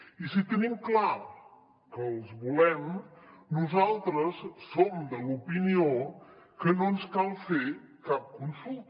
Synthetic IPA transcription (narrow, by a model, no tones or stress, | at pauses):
isit̪ənimkla | kəːlˠzβulɛmnuzalˠt̪ɾəsːomd̪əlupinio | kənonskalˠfe | kap̚kunsulˠt̪